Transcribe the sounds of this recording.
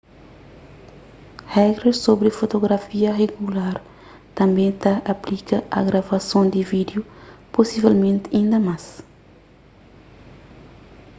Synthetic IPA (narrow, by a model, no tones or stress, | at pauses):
hɛɡɾesobɾifot̪oɡɾɐfiɐreɡulaɾ | t̪ɐ̃mbẽt̪ɐʔaplikɐɐ̰ɡɾavɐsõnd̪ivid̪juposivɛlmẽnt̪ĩnd̪ɐmas